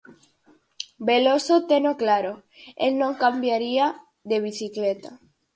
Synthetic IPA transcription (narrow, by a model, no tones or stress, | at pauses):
belosot̪enoklaɾo | ḛlnõŋkambjaɾia | ðeβ̞iθiklet̪a